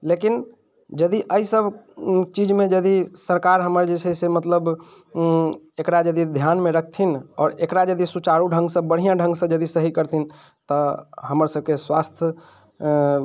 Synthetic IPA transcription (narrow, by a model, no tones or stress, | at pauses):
lekin | d͡ʒəd̪iʔəisəbt͡ʃid͡ʒmẽd͡ʒəd̪isəɾkaɾɦəməɾd͡ʒesʰɛsemət̪ləb | ekɾad͡ʒəd̪id̪ʱjanmẽɾək̚ʰt̪ʰinɔːɾekɾad͡ʒəd̪isut͡ʃaɾuɖʱə̃ŋɡsə̃bəɽ̤ijãɖʱə̃ŋɡsẽd͡ʒəd̪isəɦikəɾt̪ʰin | t̪əɦəməɾsəb̚ʱkeswast̪ʰjə